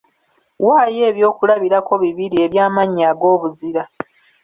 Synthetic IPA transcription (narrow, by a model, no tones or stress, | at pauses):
waːje̞ːβjo̞ːkulaβiɾako̞βiβiɾie̞βjaːmaɲːaːɡo̞ːβuziɾa